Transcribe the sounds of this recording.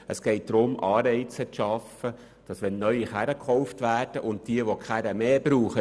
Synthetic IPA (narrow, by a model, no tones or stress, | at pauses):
əsɡ̥ɛɪt̚d̥ɾʊmʔɑːɾɛɪt͡sətʃɑfə | d̥ɑsʋɛnːœʏiχæɾəkχɔʊftʋæːrd̥əʔʊntd̥iəʋokʰχæɾəmeːbɾuːχə